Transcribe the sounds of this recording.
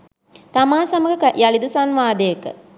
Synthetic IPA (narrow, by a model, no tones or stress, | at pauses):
t̪amaːsɐməɡəkjalid̪usanʋaːd̪əjəkə̰